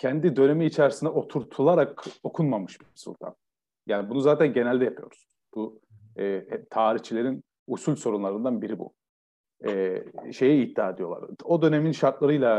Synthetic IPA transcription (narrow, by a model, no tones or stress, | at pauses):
cʰɛnd̪id̪ø̞ne̞miːt͡ʃʰæɾsind̪ɛo̞t̪ʰuɾt̪ʰulˠaɾako̞kʰunmamɯʃb̥imsṵlʲt̪ʰa̰n | jaːnibunuzaːt̪ʰænɟe̞nælʲd̪ɛjapʰɯjo̞ɾsunz̥b̥u | ɛːɛt̪ʰaːɾiht͡ʃʰilʲe̞ɾin | usulʲso̞ɾunlˠaɾɯnd̪anbiɾibṵ | ɛːʃe̞jɛit̪ːaːed̪ijo̞lˠa̰ɾo̞d̪ø̞ne̞minʃaɾt̪lˠaɾɯjlˠa